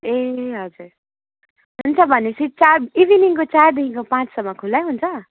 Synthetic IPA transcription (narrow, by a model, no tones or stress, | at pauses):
eɦʌd͡zuɾ | ɦunt͡sʰʌbʱʌnesʰit͡saɾibiniŋkot͡sard̪inikopãt͡ssʌmːʌkʰulajɦunt͡sʰʌ